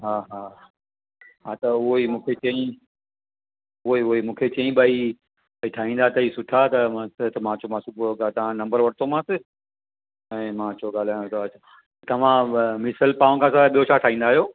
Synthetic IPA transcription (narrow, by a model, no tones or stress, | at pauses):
ɦaːɦaː | ɦat̪ɐʊɦoimũːkʰet͡ɕɐĩ | ʊoiʊimũːkʰet͡ɕɐ̃ĩbaːi | iʈʰaːɦĩːn̆d̪at̪ɐiːsʊʈʰat̪ɐmãsɪt̪ɐmãːt͡ɕʰomãsubɡat̪ɐʋ̤ãnɐ̃mbəɾʋɐɽt̪ʰomãsɪ | ɛ̃ːmãt͡ɕʰoɡaːl̤aːj̃õt̪ːt͡ɕʰa | t̪ɐʋ̤ãmɪsəlpaːõkʰãsɐɓijot͡ʃʰaʈʰaːĩːnd̪aːɦijoː